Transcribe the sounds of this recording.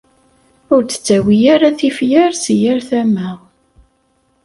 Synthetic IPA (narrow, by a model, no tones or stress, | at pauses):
ʊɾt͡sːə̥t͡sːæwijaɾaθifjæɾsjæɾθæmæ